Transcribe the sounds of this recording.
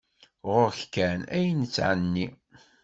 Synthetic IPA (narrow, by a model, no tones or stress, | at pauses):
ʁʊɾçkænæjənət͡sːʕənːi